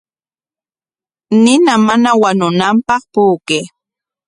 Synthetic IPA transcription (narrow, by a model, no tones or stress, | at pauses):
nɪnamanawanʊnampɑχpuːkeː